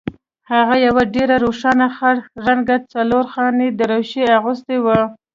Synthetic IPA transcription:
haɣajawaɖeɾaɾoʂɑnaxaɽxɾaŋɡat͡saloɾxɑned̪əɾawʃeaɣʊst̪ewa

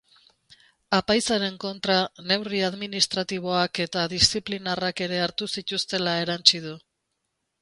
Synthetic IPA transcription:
apajsaɾe̞ŋko̞nt̪ɾane̞wriaðminist̪ɾat̪iβ̞o̞ake̞t̪aðist͡siplinarake̞ɾe̞aɾt̪usit̪ust̪e̞lae̞ɾant͡sið̞u

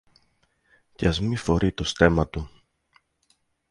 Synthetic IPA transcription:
cɐzmifo̞ɾit̪o̞st̪e̞mɐt̪u

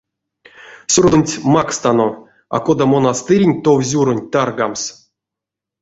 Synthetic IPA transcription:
sʲurd̪ɨnʲtʲmakst̪ano | a̰kod̪amonast̪ɨɾʲinʲt̪ovzʲuɾonʲt̪arɡams

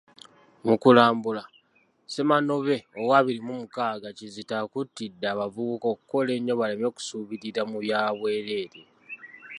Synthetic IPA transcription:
mukulaːmbula | se̞mano̞βe̞owaːβiɾimumukaːɡacizitakutːidːaːβavuβuko̞kuko̞le̞ɲːo̞βale̞mjo̞ku̥suːβitiɾamuβjaːβwe̞ːɾeːɾe

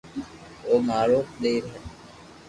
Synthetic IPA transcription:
oːmaːɾoːkɗ̪eːɾɦɛ

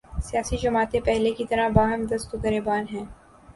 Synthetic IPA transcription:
sijaːsid͡ʒɐmaːt̪ẽpɛɦlekit̪ɐɾabaːɦəmd̪ɐst̪okɐɾebaːnɦɛ̃ː

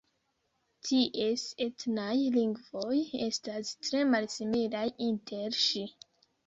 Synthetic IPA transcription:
tʰiʔe̞se̞tnajliŋɡvo̞je̞stastɾe̞malsimilajintʰe̞ɾʃi

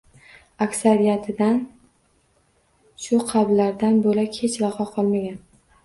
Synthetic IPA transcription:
akʲsaɾijat̪ʰɪd̪an | ʃʊqʰɑblaɾd̪anbolakʲʰet͡ʃlɑqɒqʰɒlˠmaɡʲan

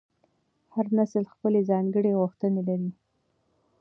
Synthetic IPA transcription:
haɾnasəlxpəlezɑŋɡəɽeɣʊxt̪ənelaɾi

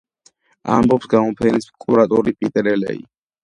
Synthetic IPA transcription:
a̰mbɔpsɡamɔpʰɛniskʼuɾat̪ʼɔɾipʼit̪ʼɛɾɛlɛ̰ḭ

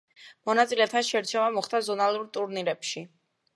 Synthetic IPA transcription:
mɔnat̪sʼilɛt̪ʰanʃɛɾt͡ʃʰɛvamɔχd̪azɔnalˠuɾt̪ʼuɾniɾɛpʃi

